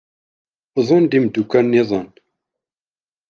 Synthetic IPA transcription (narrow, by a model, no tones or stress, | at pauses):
ðˤənd̪imd̪ukːænːiðˤən